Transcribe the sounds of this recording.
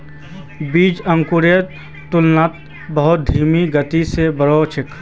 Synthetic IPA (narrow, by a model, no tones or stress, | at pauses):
biːd͡ʒə̃ŋkuɾət̪ | t̪ʊlnat̪ | bəɦʊt̪̚d̪ʱiːmiɡət̪isebəɾot͡ʃʰɪkʰ